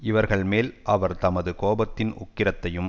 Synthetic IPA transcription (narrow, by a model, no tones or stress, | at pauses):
ɪʋɐɾɣɐɭmeːlʔɐʋɐɾt̪ɐmɐðɯkoːbɐt̪ːɪnʊ̰kːɪɾɐt̪ːɐjɯm